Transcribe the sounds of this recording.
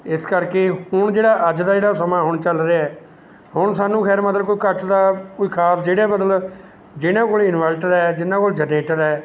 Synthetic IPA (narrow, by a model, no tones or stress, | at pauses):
ɪskəɾkeːhʊɳd͡ʒeːɽaːʔəd͡ʒd̪aːd͡ʒeːɽaːsəmãːɦʊɳt͡ʃəlɾeːɛː | hʊɳsaːnːũːkʰɛːɾməd̪ləkoːiːkəʈd̪aːkoiːkʰaːsd͡ʒeːɽeːbəd̪əl | d͡ʒɪnãːkoːlɪnʋɛːlʈəɾɛːd͡ʒɪnãːkoːld͡ʒədeːʈəɾɛː